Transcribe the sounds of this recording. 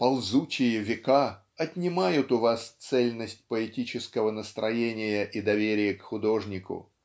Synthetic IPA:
pɐlˠzut͡ɕɪjəvʲɪka | ɐtʲnʲɪmajʊt̪ʊvast̪sɛlʲnəsʲtʲpəɪtʲit͡ɕɪskəvənəst̪ɾʔɐjenʲɪjəʔid̪ɐvʲeɾʲɪjəkxʊd̪o̞ʐnʲɪkʊ̰

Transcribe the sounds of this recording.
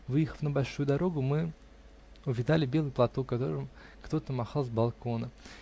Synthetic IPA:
vɨjɪxə̥fnəbɐlʲʂujʊd̪ɐɾo̞ɡʊmɨ | ʊvʲɪd̪alʲɪbʲe̞lˠɨjplˠɐt̪o̞kːɐt̪o̞̰ɾɨmkt̪o̞t̪əmɐxɑlˠzbɐlˠko̞nə

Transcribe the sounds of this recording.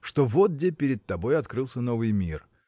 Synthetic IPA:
ʂt̪o̞vot̪̚dʲepʲɪɾʲɪt̪̚t̪ːɐbo̞jɐt̪kɾɨlˠsʲəno̞vɨjmʲir

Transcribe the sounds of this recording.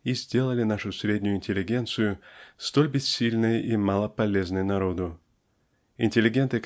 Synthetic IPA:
izʲdʲe̞lˠəlʲɪnaʂʊsʲɾʲedʲnʲʊjʊɪnʲtʲɪlʲːɪɡʲe̞nt̪sɨjʊst̪o̞lʲbʲɪssʲilʲnɨjimalˠəpɐlʲe̞znɨjnɐɾo̞d̪ʊ | ɪnʲtʲɪlʲɪɡʲe̞nt̪ɨ

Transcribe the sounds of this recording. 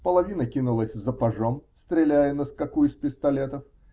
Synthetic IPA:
pəlˠɐvʲinəkʲinʊlˠəsʲzəpɐʐomst̪ɾʲɪlʲæjənəskɐkuɪspʲɪst̪ɐlʲet̪əf

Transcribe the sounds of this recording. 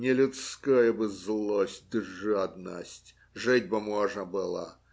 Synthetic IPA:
nʲɪlʲʊt̪skɔjəbɨzlˠosʲt̚ʲd̪ɨʐad̪nə̰sʲtʲ | ʐɨtʲbɨmoʐnəbɨlˠə̰

